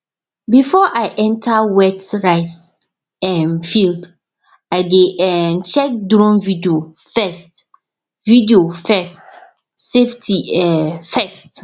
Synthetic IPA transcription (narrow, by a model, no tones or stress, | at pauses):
bifɔʔaɪʔɛ̃ntʰawɛtɹaɪs | ɛ̃nfild | aɪdeʔɛnt͡ʃɛk̚dɾɔ̃mvidiofɛst | vidiofɛst | seftʰiɛfɛst